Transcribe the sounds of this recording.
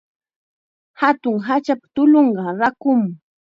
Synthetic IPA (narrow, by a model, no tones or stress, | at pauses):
hat̪ʊŋɦat͡ʃapḁt̪ʊloɴɢɑɾakʊm